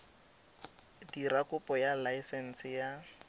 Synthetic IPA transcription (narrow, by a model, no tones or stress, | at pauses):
dirakʊpʼɔjalaɪsɛn̩sɪja